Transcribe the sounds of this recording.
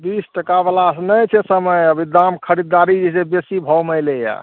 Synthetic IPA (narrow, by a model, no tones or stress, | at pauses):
bisʈəkabalasnəjt͡ʃʰɛsəməjəbʱid̪amkʰəɾid̪ːaɾid͡ʒisebesibʱɔməjleja̰